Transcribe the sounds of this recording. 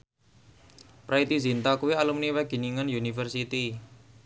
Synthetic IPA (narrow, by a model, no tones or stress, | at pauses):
pɾait̪izint̪akuwialumniwɛɡ̥i̤niŋənjunifərsit̪i